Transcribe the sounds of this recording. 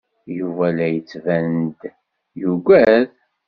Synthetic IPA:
juvælæjət͡sːvænd̪ | juɡʷæð

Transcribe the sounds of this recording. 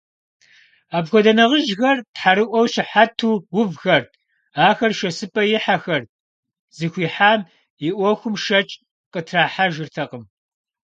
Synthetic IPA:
aːbxʷɔdɐnɐʁəʒxɐrtħaɾɨʔʷɔwɕɪħatʰuːwʊvxɐr | aːxɐrʃɐsɨpʼɐjɪħaxɐr | z̥ɨxʷiːħaːm | jɪʔʷɔxʷʊmʃɐt͡ʃʼ | qʼətʰraːħaʒɨrtʰɐqəm

